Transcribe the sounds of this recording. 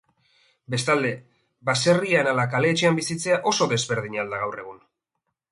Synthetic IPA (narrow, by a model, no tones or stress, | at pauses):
be̞st̪ald̪e̞ | base̞rianalakale̞ːt͡ʃe̞ambisit͡se̞aʔo̞so̞ðe̞zβe̞ɾð̞iɲald̪aɣ̞awre̞ɣ̞un